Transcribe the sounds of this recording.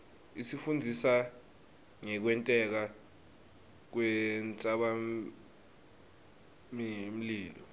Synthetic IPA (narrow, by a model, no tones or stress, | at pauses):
isifund͡zʱisa | ŋɛk̬wɛntʼɛk̬a | k̬wɛnt͡sʼaɓa | mim̩liːlɔ